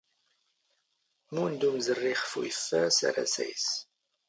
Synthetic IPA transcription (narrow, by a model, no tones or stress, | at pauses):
mund̪umzərːiχəfṵjəfːæsa̰ɾa̰sæ̰js